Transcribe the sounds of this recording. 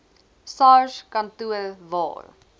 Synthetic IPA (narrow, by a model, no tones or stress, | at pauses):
sɑːʃkɐntuəvɑ̰ːr